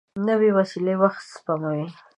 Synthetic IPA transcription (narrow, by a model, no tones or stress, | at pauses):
nəwewasilewaxt̪spamawi